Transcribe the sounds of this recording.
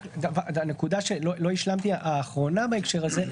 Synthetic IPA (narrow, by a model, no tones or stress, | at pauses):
d̪avadane̞kud̪aʃelolo̞iʃlamt̪iaʔaːχʁo̞nabaekʃe̞ʁaze̞